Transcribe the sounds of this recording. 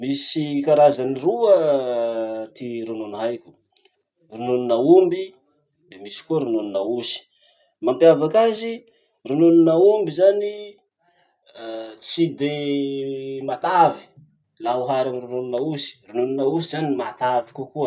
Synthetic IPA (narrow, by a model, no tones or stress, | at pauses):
misikaɾazaniruə | t̪iɾununɦajkʲu̥ | rununinaumbi | d̪emisi̥kuəɾununinausi̥ | mampjavakazi | rununinaumbizani | t͡sid̪e | mat̪avi̥ | lauɦaɾamiɾununinausi̥rununinausizanimat̪avikukuə